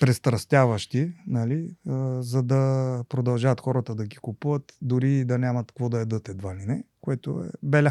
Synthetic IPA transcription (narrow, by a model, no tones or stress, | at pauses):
pɾɛst̪ɾɐst̪ʲjavɐʃt̪inɐliəzɐd̪ɐpɾod̪ɐlˠʒaːt̪xɔɾət̪əd̪ɐɡikupuvət̪d̪ʊɾid̪ɐnʲamɐt̪kvɔd̪ɐɛd̪ɤt̪ɛd̪valinɛkoɛt̪o̰ɛ̰bɛlʲa